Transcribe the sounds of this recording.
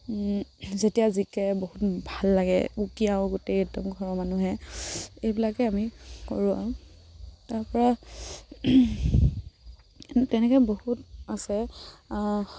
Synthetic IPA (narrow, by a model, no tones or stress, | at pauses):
zetijazikɛboɦutbʱalːaɡɛ̰ukiaʊɡotetɔmkʰɔɹɔmanuɦɛ | ejbilakɛamikɔ̰ɹũa̰ʊ | taɹpɔɹa | tɛnɛkɛbohutasɛ